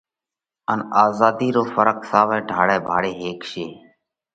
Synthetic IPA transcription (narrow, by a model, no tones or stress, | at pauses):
ənaːzaːd̪iːɾoːfəɾəksaːʋɛ̃ːɖʱaːɽeːbʱaːɽeːɦeːkʃeː